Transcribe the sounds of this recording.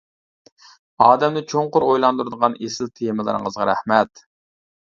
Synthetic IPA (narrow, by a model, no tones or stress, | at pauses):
ɑːd̪ɛmd̪ɪt͡ʃʰoɴqʊɾojlˠɑnd̪uɾɨd̪əʁɑnesɪlt̪ʰejmɨlˠɨ̰ɾɨ̰ŋəzʁɑɾæ̰hmɛt̪